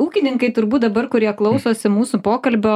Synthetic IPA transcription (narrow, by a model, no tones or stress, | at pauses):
uːkʲɪnʲɪŋkɐɪt̪ʊɾbuːt̪d̪ɐbɐɾkʊɾʲiɛklˠɐʊsoːsʲɪmuːsʊpoːkɐlʲbʲoː